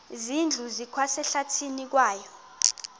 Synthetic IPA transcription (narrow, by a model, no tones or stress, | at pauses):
zind͡ɮʱuzikʰwasɛɬatʰinik̬waːjɔ